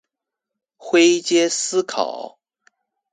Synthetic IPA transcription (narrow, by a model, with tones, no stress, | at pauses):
xwe˥ɪt͡ɕjɛ˥sɹ̩˥kʰɑ̰˨˩˦ʊ